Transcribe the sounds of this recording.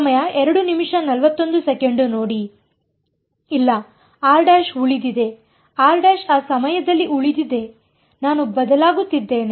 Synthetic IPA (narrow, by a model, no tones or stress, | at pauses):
mɐjɐɛɾɐɽunimʂɐnɐlʋɐt̪ːo̞nd̪usɛkeɳɖunoːɽi | ilːɐ | aːlɖaːʃuɭid̪id̪e̞ | aːlɖaːʃaːsɐmɐjɐd̪ɐlːiʔuɭid̪id̪e̞ | naːnubɐd̪ɐlaːɡut̪ːid̪ːe̞ːne